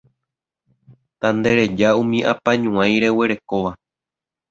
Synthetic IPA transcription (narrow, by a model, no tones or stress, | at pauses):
t̪and̪e̞ɾe̞d͡ʒaũmĩʔãpãɲũãj̃ɾe̞we̞ɾe̞ko̞ʋa